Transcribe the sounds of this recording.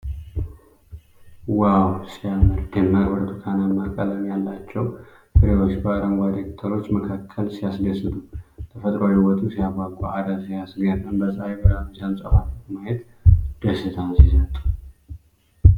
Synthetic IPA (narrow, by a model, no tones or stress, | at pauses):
wawsijamɨd̪d̪ɛmːaɾwɔɾt̪ʰʼukʰanamːakʼələmjalːat͡ʃːɛw | ʔɨɾeo̞t͡ʃːbəaɾəŋɡʷad̪ɾekt̪ʰəɾo̞t͡ʃːməkʰakʰːəlsijasɡəsɨd̪ut̪ʰəfət̪ʼɾojɪwɔt̪ʼusijaɡʷaɡʼuad̪asijasɡənːəmbəsʼaebəɾamusijansʼəfatːət̪majɛt̪ | d̪̥əsɨt̪ʰansisət̪ʼu̥